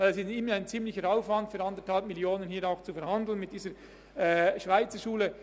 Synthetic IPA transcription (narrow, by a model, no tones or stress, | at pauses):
aɪlɛsɪsɪməaɪnt͡siːmlɪçəɾaʊfvɑntfyːɾɑndəthɑlpmɪljoːnənhiːɾaʊxt͡sufɛɐɾhɑndl̩nmɪt̚d̥iːzəɾ | ɛʃvaɪt͡səʃuːlə